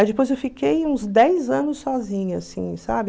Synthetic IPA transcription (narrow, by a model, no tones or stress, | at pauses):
ajd͡ʒɪpojzewfikejũzd̪ɛjzɐ̃nʊsːɔzĩɲʊa̰sḭ̃sa̰bɪ